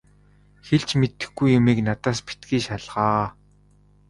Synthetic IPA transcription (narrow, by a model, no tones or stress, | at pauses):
xeɮt͡ɕmet̪ɘ̆xɡujːʊmiːknat̪aːspi̥t̪ɡiːʃaɮʁaː